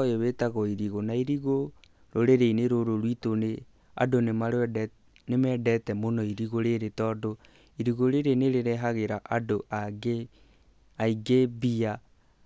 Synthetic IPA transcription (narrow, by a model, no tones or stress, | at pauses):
joβetaɣɔiɾiɣonaiɾiɣo | ɾoɾeɾeineɾoɾoɾwitone | a̰donemaɾ | nemɛdɛtɛmonɔiɾiɣoɾeɾetɔːdo | iɾiɣoɾeɾeneɾeɾɛɦaɣeɾaʔadoʔaɡe | aiɡebia